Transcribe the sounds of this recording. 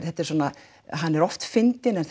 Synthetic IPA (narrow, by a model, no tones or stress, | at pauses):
θɛht̪ɪɾ̥sɔːna | ɦanːɛɾɔft̪fɪnt̪ɪnɛnθ